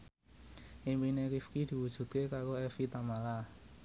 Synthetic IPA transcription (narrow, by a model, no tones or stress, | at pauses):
ʔimpineɾifkid̪̥i̤wud̥ʒ̥ṳt̪̚kekaɾoɛfit̪amala